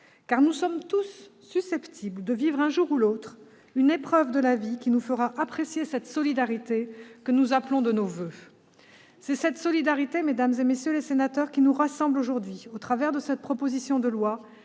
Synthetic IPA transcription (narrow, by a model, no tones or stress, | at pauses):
kaʁnusɔmt̪usː | ysɛpt̪ʰibld̪əvivʁɛ̃ʒuʁulot̪χ | ynepχœvd̪əlavikʲinufəʁaʔapχesjesɛt̪sɔlid̪aʁit̪ekənuzaplɔ̃d̪ənovø | sɛsɛt̪sɔlid̪aʁit̪emed̪amzemesjølesenat̪œʁkʲinuʁasɑ̃bloʒuʁd̪ɥiot̪χavɛʁd̪əsɛt̪̚pχɔpozisjɔ̃d̪əlwa